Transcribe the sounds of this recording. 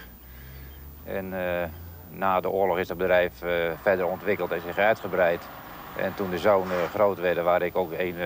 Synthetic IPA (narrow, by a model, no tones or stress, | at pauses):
ɛnː | aːdəʊːəlɔxɪzdɔd̚bədrɛjffɛdərɔntʋɪkəlˠtɛnsɪxœɥtχəbrɛjt | ɛ̰ntundəzownχroːtʋɛdəʋaːɾɪkoːkeːn